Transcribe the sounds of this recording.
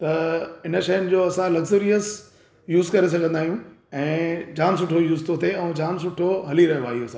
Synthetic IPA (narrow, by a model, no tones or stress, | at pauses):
t̪ɐɪnə̆ʃɐjənɪ̆d͡ʑoːɐsãlɐɡzoːɾijəs | juːzkɐɾes̬ɐɡʱə̃nd̪aːɦijũɛ̃ːd͡ʑaːns̬ʊʈʰojuːzt̪ʰot̪ʰeɛ̃ːd͡ʑaːns̬ʊʈʰoɦɐliɾɐɦjaːɦiosãː